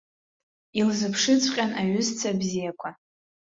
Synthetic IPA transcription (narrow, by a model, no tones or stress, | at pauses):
ilzɨpʰʂɨt͡sʷʰʼqʲʼanaɥʊzt͡sʰabzijakʷʰa